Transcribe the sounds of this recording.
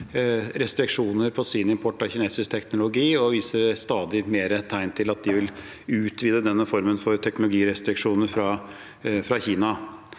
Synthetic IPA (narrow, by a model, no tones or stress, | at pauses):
ɾɛst̪ɾɪkʂuːnəɾpʰɔsɪnɪmpʰɔʈːɔçɪneːsɪsk̚t̪ʰɛknʊlʊɡiːɔʋiːsəɾst̪ɑːd̪ɪmeːɾət̪ʰæɪnt̪ʰɪlɑt̪̚d̪ɪʋɪl | ʉːt̪ʰʋiːd̪əd̪ɛnːəfɔɾmənfɔɾt̪ʰɛknʊlʊɡiːɾɛst̪ɾɪkʂuːnəɾfɾɑ | fɾɑçiːnɑ